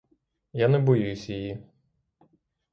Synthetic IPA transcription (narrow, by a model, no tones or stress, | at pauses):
janɛbɔjujʊsʲjiji